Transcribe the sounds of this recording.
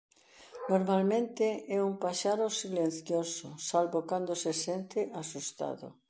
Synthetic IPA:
noɾmalmẽnt̪ɪɛumpaʃaɾʊsilen̟θjosʊsalβokand̪osesent̪ɪʔasust̪a̰ðʊ̰

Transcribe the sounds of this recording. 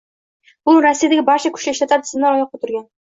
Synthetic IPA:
b̥ʊɾasːijad̪aɡʲɪbɒɾt͡ʃʰakʲʰʊ̥ʃlɪʃt̪at̪ʰaɾɪ̥sɪmnanɒjɒq̚ːɑt̪ʰʊɾɡʲan

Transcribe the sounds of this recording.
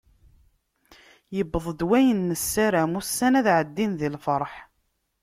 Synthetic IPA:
jəbəðˤd̪wæjənːəsːæɾæmusːænæðʕəd̪ːinðilfəɾˤħ

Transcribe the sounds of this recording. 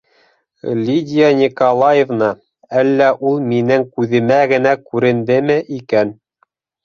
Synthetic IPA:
lʲidʲijanʲikolˠɑjevnɑ | ælːæʔulˠminɘŋkʉðɘ̆mæɡɘ̆nækʉɾɘ̆nd̪ɘmɘʔikæn

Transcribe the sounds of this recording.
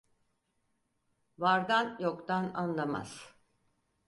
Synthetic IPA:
vaɾd̪anjokt̪ananlˠama̰z̥

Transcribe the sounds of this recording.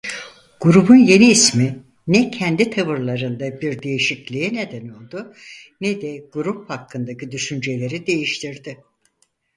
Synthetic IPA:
ɡ̥uɾubunje̞niːsmi | nɛcʰɛnd̪it̪ʰaβɯɾlˠaɾɯnd̪abiɾd̪e̞jiʃiclʲijine̞d̪æno̞lˠd̪ʊ | nɛd̪ɛɡ̥uɾup̚hakʰːɯnd̪acid̪yʃynd͡ʒe̞lʲe̞ɾid̪e̞jiʃt̪ʰiɾd̪ɪ

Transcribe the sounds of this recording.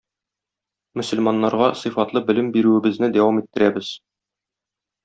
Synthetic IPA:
mɵ̆sɵ̆lmɑnːɑɾʁɑsɤfɑt̪lˠɤbɘ̆lɘmbiɾʉɘ̆bɘ̆znɘd̪æwɑmit̪ːɘ̆ɾæbɘz̥

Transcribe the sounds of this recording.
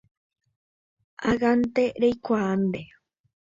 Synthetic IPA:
aɣant̪eɾejkʷand̪e

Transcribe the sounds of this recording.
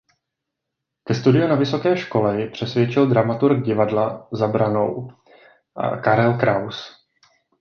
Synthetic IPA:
kɛst̪udɪjunavɪso̞kɛːʃko̞lɛjpr̝̥ɛsvjɛt͡ʃɪldɾamat̪uɾk̚ɟɪvadlazabɾano̞w | ʔa̰kaɾɛlkɾaws

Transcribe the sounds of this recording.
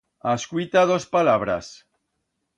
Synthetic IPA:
askwit̪aðospalaβɾa̰s

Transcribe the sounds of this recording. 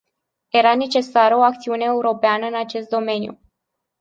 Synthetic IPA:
je̞ɾane̞t͡ʃe̞saɾəo̞akt̪siuneːuɾo̞peanəɨnat͡ʃe̞st̪̚d̪o̞me̞njṵ

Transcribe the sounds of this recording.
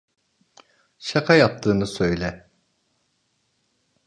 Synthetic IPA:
ʃakʰajap̚t̪ʰɯːnɯsø̞jlʲɛ

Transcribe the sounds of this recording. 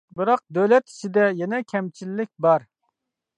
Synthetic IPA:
bɨɾɑq̚d̪øwlɛt̪i̥t͡ʃʰid̪ɛjɛnɛkʲʰɛmt͡ʃʰilːɪk̚ʲbɑɾ

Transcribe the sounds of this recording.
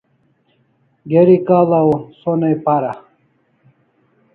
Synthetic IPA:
ɡeɾikaːlaosonɐjpaɾa

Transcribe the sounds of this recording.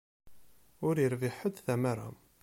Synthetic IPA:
ʊɾjəɾviħəd̪θæmaɾˤa̰m

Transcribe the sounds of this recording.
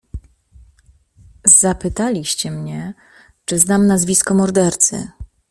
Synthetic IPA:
z̥apɘt̪alʲiɕt͡ɕɛmɲɛ | t͡ʂɘznamnazvʲiskɔmɔɾd̪ɛɾt̪sɘ̰

